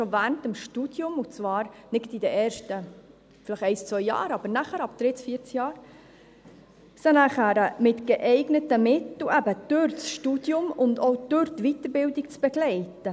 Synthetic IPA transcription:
ʃovæːntəmʃtud̥jʊmut͡svɑːɾnɪɡtid̪əʔɛːɾʃtə | fɪlɪχɛɪst͡svœjːɑ̰ːɾɑb̥əɾnæχəɾɑb̚d̥ɾɪt͡sfiːɾt͡sjɑːɾ | sənæχæɾəmɪtɡ̥eʔɛɪɡnətəmɪt̪l̩ʔæbəd̪̥øɾt͡sʃtud̥jʊmʊndɔwd̪̥øɾtʋit̪əɾbɪldik̚t͡sb̥ɛɡ̥lɛɪtə

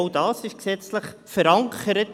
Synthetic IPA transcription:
ʊdɑːsɪʃksɛt͡sləχfəɾɑŋkʰəɾət

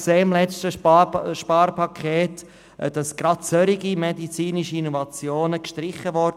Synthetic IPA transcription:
kseːɪmlɛt͡stəɑʃpɑːɾpɑkʰχeːt | d̥ɑsɡ̥ɾɑtt͡søɾiɡimɛdit͡siːniʃiinɔvɑt͡sjoːnəkʃtɾɪχəvɔd

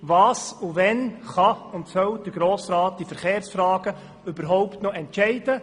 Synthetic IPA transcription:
ʋɑːsuʋɛnχɑʊntsœwd̥̪əɾɡ̥ɾoːsɾɑːt̚d̥ifəɾχeːɾsfɾɑːɡ̥ə | ʏbəɾɦɔʊptnɔɛntʃɛɪd̥ə

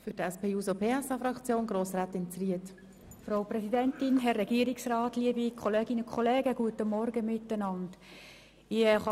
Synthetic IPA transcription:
fʏɾdɛspʰeːjuːzopʰeːɛsɑfɾɑkt͡sjoːnɡɾoːsɾaːt̪ɪnt͡sriət | fraʊprɛsidɛntɪnɦɛrːɛɡ̥iəɾɪksrɑːtliəbikʰoleːɡɪnəkʰχɔleːɡəɡ̥uətəmɔɾɡəmɪtːənɑnd | ɪχɑ

